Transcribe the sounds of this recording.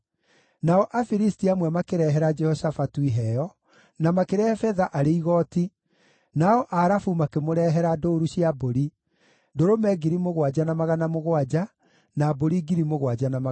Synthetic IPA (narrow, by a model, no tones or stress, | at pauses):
naɔʔafiɾistiamwɛmakeɾɛɦɛɾad͡ʒɛhɔsafatuiɦɛjɔ | namakeɾɛfɛðaʔaɾeiɣɔːti | naɔʔaɾafumakemoɾɛɦɛɾadoɾuɕjiaboɾi | ndoɾomɛɡiɾimoɣwad͡ʒanamaɣanamoɣwad͡ʒa | naboɾiɡiɾimoɣwad͡ʒanama